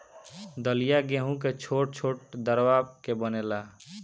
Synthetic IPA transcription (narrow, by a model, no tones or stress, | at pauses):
d̪əlijaɡeːɦũket͡ʃʰoːʈ̚t͡ʃʰoːʈ̚d̪əɾwaːb̚kebənelaː